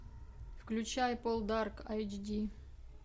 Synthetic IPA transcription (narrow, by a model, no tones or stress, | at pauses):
fklʲʉt͡ɕajpolˠd̪arkajd͡ʒdʲi